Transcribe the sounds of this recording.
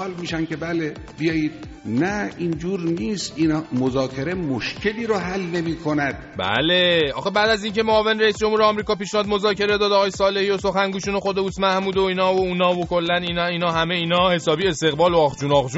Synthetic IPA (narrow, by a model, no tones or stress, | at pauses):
ɒːlmiːʃænkʲebæle | bijɒːjid̪̥̚ | næind͡ʒuːɾniːst̪ʔinhmozɒːkʰe̞ɾemoʃkʰʲeliːɾoɦælnemiːkʰonæd̪̥bæ̰le̞ɒ̰ːxebæːd̪æziːncʰe̞moɒːve̞nɾeisd͡ʒo̞mhuːɾeɒmɾiːkɒːpiːʃnihɒd̪mo̞zɒːce̞ɾe̞d̪ɒːd̪ɒɣɒːjesɒːle̞hiːoso̞xænɡuːʃuːnoxod̪e̞uːsmæhmuːd̪oiːnɒːvouːnɒːvokʰo̞lːæninɒiːnɒːɦæme̞iːnɒːhe̞sɒːbiːe̞st̪e̞ɣbɒːloɒxd͡ʒuːnɒxd͡ʒuː